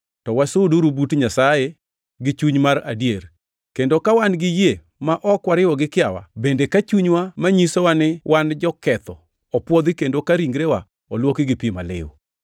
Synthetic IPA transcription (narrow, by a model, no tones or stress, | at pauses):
tɔwasʊduɾubutɲasaje | ɡɪt͡ʃuɲmaɾa̰djer | kendokawanɡɪje | maʔɔkwaɾɪwɔɡɪkɪawa̰bendekat͡ʃuɲwamaɲisowanɪwʔand͡ʒɔkɛt̪ɔ | ɔpwɔd̪ikendokaɾiŋɡɾewa | ɔlwokiɡɪpimalɪ̰wo̰